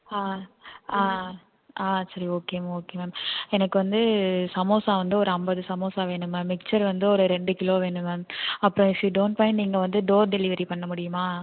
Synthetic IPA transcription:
aːaː | aːsɐɾioːkeːmːoːkeːmeːmɛnɐkːɯʋɐnd̪ɯsɐmoːsaːʋɐnd̪ɯɔɾɯɐmbɐðɯsɐmoːsaːʋeːɳɯmɐmɪk̚t͡ʃɐɾʋɐnd̪ɯɔɾɯɾɛɳɖɯkɪloːʋeːɳɯmɐɐpːɯɾɔ̃ɪfjiːɖoːɳʈ̚pɐːɪnniːŋɡɐʋɐnd̪ɯɖoːɾɖɛlɪʋɐɾipɐɳːɐmʊɽɪjɯmaː

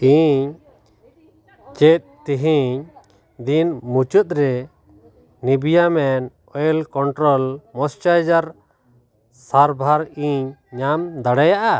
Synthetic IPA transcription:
iɲ | t͡ʃɛt̪̚t̪iɦiɲ | d̪inmut͡ʃut̪̚ɾɛ | nibijamɛn | ɔjlkɔɳʈɾɔlmɔst͡ʃad͡ʒaɾ | saɾbʱaɾiɲːamd̪aɽajaʔa

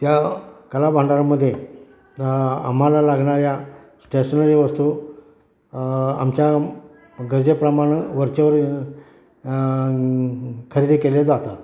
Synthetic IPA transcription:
t̪jakəlabʱãɳɖaɾaməd̪ʱːje | am̤alalaɡɳaɾja | sʈeɕənəɾiʋəst̪u | a̰mt͡ɕja | ɡəd͡zepɾəmaɽ̃əʋəɾt͡ɕeʋəɾ | kʰəɾid̪ikeled͡zat̪at̪

